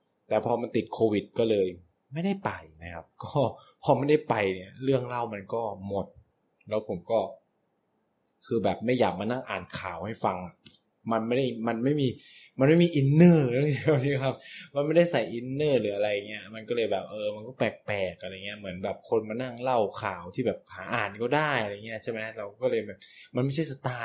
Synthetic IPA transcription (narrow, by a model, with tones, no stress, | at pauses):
t̪ɛː˨˩pʰɔː˧ma˧nt̪i˨˩t̪̚kʰoː˧wi˨˩t̪̚kɔː˥˩lɤː˧j | ma˥˩jda˥˩jpa˧jna˦˥kʰa˦˥p̚kɔː˥˩pʰɔː˧ma˥˩jda˥˩jpa˧jni˥˩ɐɾɯ˥˩əŋla˥˩wma˧nkɔː˥˩mo˨˩t̪̚ | lɛː˦˥wpʰo˩˦mkɔː˥˩ | kʰɯː˧bɛː˨˩p̚ma˥˩jaː˨˩k̚maː˧na˥˩ŋʔaː˨˩nkʰaː˨˩˦wha˥˩jfa˧ŋa˨˩ | ma˧nma˥˩jda˥˩jma˧nma˥˩jmiː˧ | ma˧nma˥˩jmiː˧ʔi˧nːɤː˥˩ɯ˥˩ŋi˧˥˩niː˦˥˩kʰa˦˥p̚ma˧nma˥˩jda˥˩jsa˨˩jʔi˧nːɤː˥˩lɯː˩˦ʔa˧ɾa˧jːa˨˩ŋːi˦˥ɐma˧nkɔː˥˩lɤː˧jbɛː˨˩p̚ʔɤː˧ma˧nkɔː˥˩pɛː˨˩k̚pɛː˨˩k̚ʔa˧ɾa˧jŋi˦˥ɐ˧˩mɯ˩˦ənbɛː˨˩p̚kʰo˧nmaː˧na˥˩ŋla˥˩wkʰaː˩˦wt̪ʰiː˥˩bɛː˨˩p̚haː˩˦ʔaː˨˩nkɔː˥˩daː˥˩jʔa˧ɾa˧jŋːi˦˥ɐ˧t͡ɕʰa˥˩jma˦˥ɾa˧wkɔː˥˩lɤː˧jbɛː˨˩p̚ma˧nma˥˩jt͡ɕʰa˥˩sa˧t̪aː˧